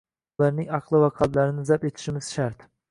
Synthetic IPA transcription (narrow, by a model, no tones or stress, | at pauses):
lˠaɾnɪŋɑqlˠɨwɑqʰɑt̪lˠaɾɪnɪzæpet̪ʰɪ̥ʃimɪz̥ʃæɾt̪